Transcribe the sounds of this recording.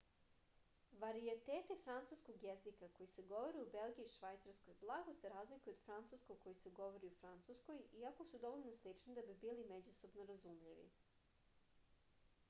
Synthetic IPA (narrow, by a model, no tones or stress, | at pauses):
ʋaɾiet̪eːt̪ifɾant̪suskoɡjezikako̞jise̞ɡo̞ʋo̞ɾiube̞lˠɡiiʃʋajt̪saɾsko̞jblˠaɡo̞se̞ɾaːzlikujuod̪fɾant̪suskoɡko̞jiseɡo̞ʋoɾiufɾant̪susko̞jiako̞sud̪o̞ʋoʎnoslit͡ʂnid̪abibiːlimed͡ʑuso̞bnoɾazumʎiʋḭ